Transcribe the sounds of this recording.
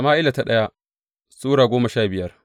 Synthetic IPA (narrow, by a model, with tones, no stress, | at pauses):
maː˦ʔɪ˦la˨ta˦ɗɐ˦ja˦ | suː˦ɽaː˨ɡʷoː˦mɐ˨ʃaː˦bɪ˨jɐ˦r